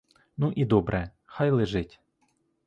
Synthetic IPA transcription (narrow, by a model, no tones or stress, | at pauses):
nuʔid̪ɔbɾʔɛ | xajlˠɪʒɪtʲ